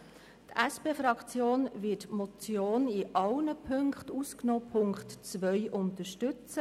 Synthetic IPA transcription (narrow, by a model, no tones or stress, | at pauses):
tʔæspeːfɾɑkt͡sjoːnvɪtmɔt͡sjoːnɪʔɑlnəpʰɵŋkχtusknoːpʰʊŋktt͡sʋœʏʔʊntəʃtʏt͡sə